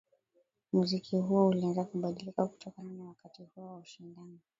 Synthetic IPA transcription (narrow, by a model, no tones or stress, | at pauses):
muzikʰiɦuɔulianzakuɓaɗilikaku̥tʰɔkananawakatihuɔwauʃindanɔ